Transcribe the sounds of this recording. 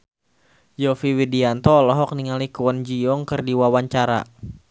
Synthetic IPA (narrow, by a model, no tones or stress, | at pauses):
jɔfiwidiant̪ɔlɔɦɔk̚niŋalikuwənd͡ʒiɔŋkərdiwawaɲt͡ʃaɾa̰